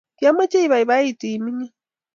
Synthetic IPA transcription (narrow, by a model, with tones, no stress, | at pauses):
kja˦ma˦t͡ʃe˦i˦βa˨i˨βa˦i˦˨tiː˨mi˦ɲi˦